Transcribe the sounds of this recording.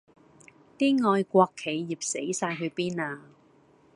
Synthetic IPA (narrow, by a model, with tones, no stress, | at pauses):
t̪iː˥ŋɔː˧jkʷɔː˧kʰːe˨˧jːiː˨p̚se˨˥jsaː˧jɦɵ˨˧ɥpiː˥naː˧